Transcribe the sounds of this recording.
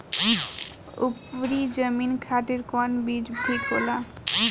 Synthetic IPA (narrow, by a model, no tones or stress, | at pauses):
ṵpɾid͡ʑəminkʰaʈeɾkɔnbid͡ʑbɖʱikola